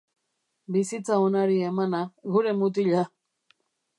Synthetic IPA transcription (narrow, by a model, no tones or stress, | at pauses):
bisit͡saonaɾiemanaɣuɾemut̪̬iʎa